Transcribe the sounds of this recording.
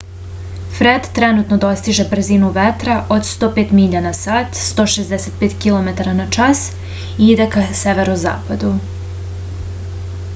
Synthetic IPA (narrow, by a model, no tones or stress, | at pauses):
fɾed̪t̪ɾenut̪nod̪o̞st̪iʒe̞br̩zinuʋet̪ɾaʔod̪st̪oːpeːt̪miʎanasaːt̪st̪o̞ːʃezd̪eset̪̚peːt̪kilˠo̞met̪aɾanat͡ʃas | iid̪ekaseʋeɾnoza̰ːpad̪u